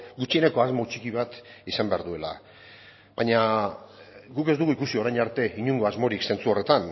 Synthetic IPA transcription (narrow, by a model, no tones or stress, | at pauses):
ɡut͡ʃiene̞ko̞azmo̞t͡ʃikiβ̞at̪isambe̞aɾðue̞la̰ | βaɲa | ɡuked̪uɣuikusio̞ɾajɲaɾt̪e̞iɲuŋɡo̞azmo̞ɾikse̞nt͡suo̞re̞t̪an